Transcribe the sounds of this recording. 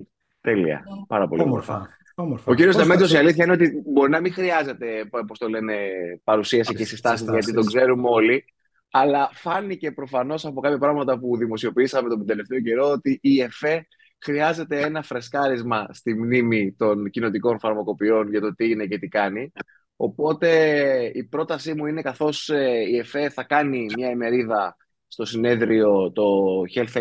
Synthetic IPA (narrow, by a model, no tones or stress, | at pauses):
t̪e̞lḭɐ̰pɐɾɐpolio̰moɾfɐ̰ | ɾfo̞ciɾiost̪ɐmet̪iosiɐliθçɐineo̞t̪ibo̞ɾinɐmĩxɾiɐze̞t̪e̞po̞st̪o̞le̞ne̞pɐɾusiɐsicesist̪ɐsizʝɐt̪it̪o̞ɡze̞ɾumeo̞li | ɐlɐfɐnice̞pɾo̞fɐno̞sɐpo̞kɐpçɐpɾɐɣmɐt̪ɐpuðimo̞sio̞piisɐme̞t̪o̞d̪e̞le̞ft̪e̞o̞ce̞ɾo̞ot̪iʔːe̞fe̞ | xɾiɐze̞t̪e̞e̞nɐfɾe̞skɐɾizmɐst̪imnimit̪o̞ncino̞t̪iko̞nfɐɾmɐko̞pio̞nʝɐt̪o̞t̪iine̞ce̞t̪ikɐni | o̞po̞t̪e̞ipɾo̞t̪ɐsimuine̞kɐθo̞seie̞fe̞θɐkɐnimɲɐeme̞ɾiðɐ | st̪o̞sine̞ðɾio̞t̪o̞çe̞lθe